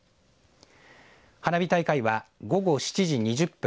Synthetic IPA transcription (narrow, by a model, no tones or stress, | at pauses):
hanabʲit̪aikaiβaɡo̞ɡo̞ɕi̥t͡ɕiʑiɲ̟iʑɨpːɯ̃